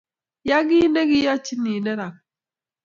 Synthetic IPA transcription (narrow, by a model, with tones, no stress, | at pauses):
ja˦ɡi˦nɛ˦ɡi˦ja˦t͡ʃi˦ni˨nɛ˦ɾa˨k̚